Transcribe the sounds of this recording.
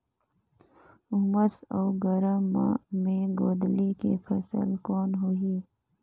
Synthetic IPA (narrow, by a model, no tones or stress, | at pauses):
ʊɦməsoːɡəɾəmːa̰mẽɡoːd̪likḛpʰɐsə̰lkɔːnɦuiː